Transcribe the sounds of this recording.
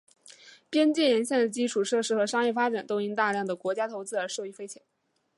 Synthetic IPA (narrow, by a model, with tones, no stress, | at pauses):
pjɛ˥nt͡ɕjɛ˥˩nɻə˧˥nɕjɛ˥˩nd̪ə˩t͡ɕi˥ʈ͡ʂʰu˨˩ʂɤ˥˩ʂɻ̩˥xɤ˧˥ʂɑ˥ŋjɛ˥˩fa˥ʈ͡ʂa˨˩nt̪o˥ʊi˥ŋt̪a˥˧ljɑ˥˩ŋd̪ə˩kwɔ˧˥t͡ɕja˥t̪ʰo˧˥ʊt͡sɹ̩˥˧ə˞˧˥ʂo˥˧i˥˩fe˥ɪt͡ɕʰjɛ˧˥˦n